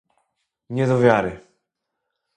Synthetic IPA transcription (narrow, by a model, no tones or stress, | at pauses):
ɲɛd̪ɔvʲjaɾɪ